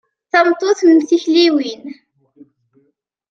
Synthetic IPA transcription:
θɑmt̪ˤːoθnmθiçliwin

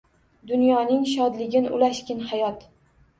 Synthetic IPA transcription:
d̪ʊnjɒnɪŋʃ̬ɒd̪lɪɡʲɪnʔʊ̰laʃkʲɪnhajɒt̪

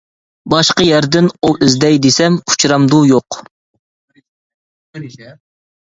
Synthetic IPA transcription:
bɑʃqəjæɾd̪ɪnuʔɪzd̪ɛjd̪esɛmu̥t͡ʃʰɾɑmd̪ujoq

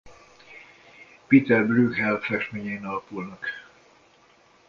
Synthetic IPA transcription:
piːt̪ɛrblyːɡhɛlfɛkʃmeːɲɛinɒlɒpulnɒk

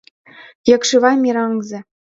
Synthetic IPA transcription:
jɤ̆kʂɯʋɑjmʲiɾɑŋzɘ̆

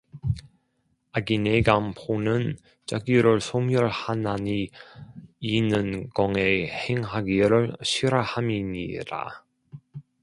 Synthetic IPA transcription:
aɡineɡampʰonɯn | t͡ɕaɡiɾɯɭsʰomjʌɭhanani | inɯnɡʌŋeheŋɦaɡiɾɯɭɕʰiɾahamiɲḭɾa̰

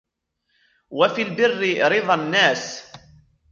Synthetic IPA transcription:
wafiːlbɪrːɪɾɪðˤɑnːaːs

